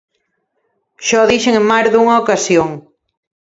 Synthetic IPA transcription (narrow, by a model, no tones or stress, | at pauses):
ʃɔðiʃeŋemmajɾðuŋɐokasjoŋ